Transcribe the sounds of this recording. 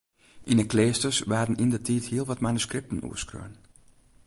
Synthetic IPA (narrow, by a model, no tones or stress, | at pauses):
ʔinəkleːstəsʋaːdənindətʰiːthiəlˠʋɔtmanuskrɪp̚tən̩ṵəskrø̰ːən